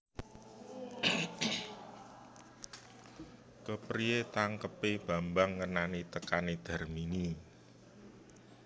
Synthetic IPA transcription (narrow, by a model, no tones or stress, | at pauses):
kəpɾiet̪aŋkəpeb̥a̤mbaŋːənanit̪əkaned̪̥a̤rmini